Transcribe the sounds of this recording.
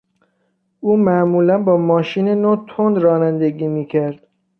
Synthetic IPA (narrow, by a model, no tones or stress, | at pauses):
ʔuːmæʔmuːlænbɒːmɒːʃiːnenot̪ʰond̪ɾɒːnænd̪eɡiːmiːcʰæɾd̪̥